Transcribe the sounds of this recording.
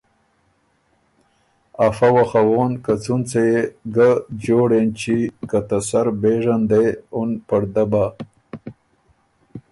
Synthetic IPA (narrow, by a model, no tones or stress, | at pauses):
afawaxawoːnkat͡sunt͡sejeɡad͡ʑoːɽent͡ʃikat̪asaɾbeːʐand̪ejonpɐɾd̪aba